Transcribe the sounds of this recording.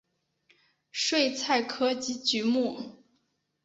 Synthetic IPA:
ʂwe˥˧ɪt͡sʰa˥˩ɪkʰɤ˥t͡ɕi˧˥t͡ɕy˧˥mu˥˩

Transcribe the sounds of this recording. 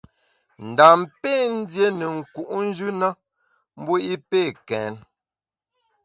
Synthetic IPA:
n̩˨da˨mpe˦˨n̩˦dje˦ne˨ŋ̩˨ku˨ʔn̩˦d͡ʒʉ˦na˦ | m̩˦bo˦i˦pe˦˨kɛ˨˦n

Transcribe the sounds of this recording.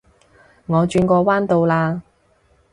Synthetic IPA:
ŋɔː˨˧t͡ʃyː˧nkʷɔː˧waː˥nt̪o˧wlaː˧

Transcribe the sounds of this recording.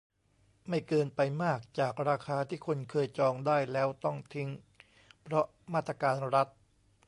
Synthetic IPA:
ma˥˩jkɤː˧npa˧jmaː˥˩k̚t͡ɕaː˨˩k̚ɾaː˧kʰaː˧t̪ʰiː˥˩kʰo˧nkʰɤː˧jt͡ɕɔː˧ŋdaː˥˩jlɛː˦˥wt̪ɔ˥˩ŋt̪ʰi˦˥ŋ | pʰɾɔ˦˥ | maː˥˩t̪ːɾa˧kaː˧nɾa˦˥t̪̚

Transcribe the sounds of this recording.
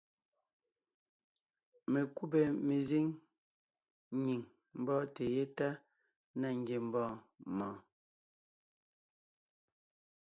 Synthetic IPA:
me˨ku˦bɛ˨me˨zi˦ŋ | ɲi˨ŋ | m̩˨bɔː˦te˨je˦ta˦ | na˨ŋ˨ɡje˨m̩˨bɔː˦˨ | mɔ̃ː˨

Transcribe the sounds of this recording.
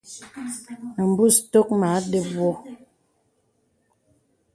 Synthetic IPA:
m̩˨bu˦˨sto˦k̚ma˨˦de˦bwɔ˦

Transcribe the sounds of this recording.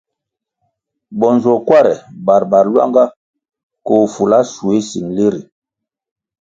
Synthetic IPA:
bɔ˨nzɔ˨kwa˦ɾɛ˨ba˨ɾba˨ɾlwa̰˦ŋɡa˦ | ko˨fu˨la˦su˨e˦si˨nle˦ɾi˨

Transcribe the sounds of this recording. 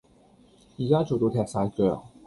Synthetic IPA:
jiː˨˩kaː˥t͡so˨wt̪o˧t̪ʰɛː˧k̚saː˧jkœ̰ː˨˩k̚

